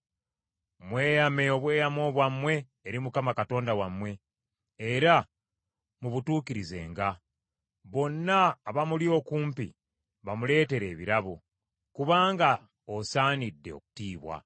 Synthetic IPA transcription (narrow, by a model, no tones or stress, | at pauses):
mwe̞ːjame̞o̞βwe̞ːjamo̞ːβwamwe̞ː | ɾimukamakato̞ːndawamwe̞ː | ɾa | muβutuːkiɾize̞̰ːŋɡa | βo̞nːaːβamulio̞ːkuːmpḭ | βamule̞ːte̞ɾe̞ːβiɾaβo | kuβaːŋɡa | osaːnidːe̞o̞̰ku̥tiːβwa̰